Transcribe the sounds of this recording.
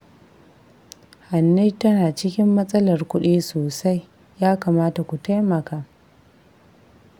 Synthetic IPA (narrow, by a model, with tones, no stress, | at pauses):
ha˨nːi˦tɐ˦naː˨t͡ʃɪ˦kʲɪ˦mːɐ˦sʼɐ˦lɐ˨rkʷʊ˦ɗiː˦soː˨sa˦j | jaː˦kaː˨maː˦ta˨kʷu˨ta˦jmɐ˨kaː˦